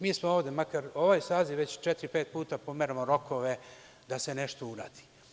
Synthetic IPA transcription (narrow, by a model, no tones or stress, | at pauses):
miːsmooːʋd̪e̞makaɾo̞ʋaːjsaːziʋet͡ɕt͡ʃet̪ɾipe̞ːt̪̚puːt̪apo̞meɾamoɾo̞kʰo̞ʋe̞ | d̪ase̞ne̞ʃt̪ouɾaːd̪i̥